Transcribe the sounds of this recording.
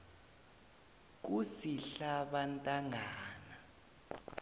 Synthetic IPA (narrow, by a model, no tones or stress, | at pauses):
k̬usiɬaɓantʼaŋʱaːna